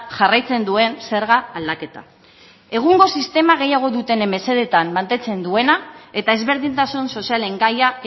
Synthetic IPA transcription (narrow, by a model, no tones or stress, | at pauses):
ʝarajt͡se̞nd̪ue̞nse̞ɾɣaːld̪ake̞t̪a̰ | e̞ɣ̞uŋɡo̞sist̪e̞maɣe̞jaɣ̞o̞ðut̪e̞neme̞se̞ð̞et̪ammant̪e̞t͡se̞nd̪ue̞nae̞t̪ae̞zβe̞ɾðint̪asunso̞siale̞ŋɡaja